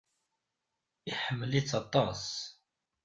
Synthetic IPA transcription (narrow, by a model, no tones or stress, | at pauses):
iħəmːəlit͡sːɑt̪ˤːɑs